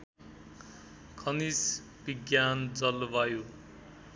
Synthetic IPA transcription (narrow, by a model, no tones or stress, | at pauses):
kʰʌnis | biɡjand͡zʌlbajo